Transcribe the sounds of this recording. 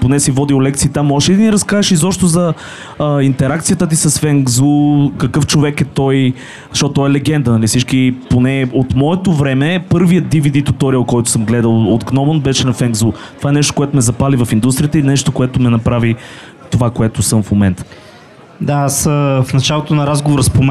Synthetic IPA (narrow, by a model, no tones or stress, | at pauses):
ponɛsivɔd̪iʊlɛkt̪siːt̪amːɔʃɛid̪ɐniɾɐskaɛʃizɔpʃt̪ʊzɐ | int̪ɛɾakt̪sijət̪ət̪̬isɐsfɛŋɡzukɐkɤft͡ʃovɛkɛt̪ɔj | ʃɔt̪ːɔɛlɛɡɛnd̪ənɐlifsit͡ʃkiponɛot̪mɔɛt̪ovɾɛmɛpɤɾvijət̪̚d̪ivid̪it̪ot̪ɔɾiəlˠkɔjt̪ʊ̥sɤmɡlɛd̪əlˠod̪ɡnɔmonbɛʃɛnɐfɛŋɡzut̪ovaɛnɛʃt̪o̥koɛt̪omɛzɐpalivɐfind̪ust̪ɾijət̪əinɛʃt̪okoɛt̪ʊmɛnɐpɾavi | t̪ovakoɛt̪osɤmfmomɛnt̪ə̥ | d̪aasəfnɐt͡ʃalˠot̪onɐɾazɡovoɾəspom